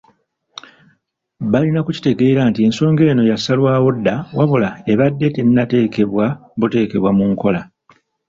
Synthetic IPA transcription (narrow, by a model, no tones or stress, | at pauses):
βalinakuci̥te̞ɡe̞ːɾantie̞nso̞ːŋɡe̞ːno̞jasalwaːwo̞dːawaβulae̞βadːe̞te̞ninate̞ːke̞βwaβute̞ːke̞βwamuŋko̞la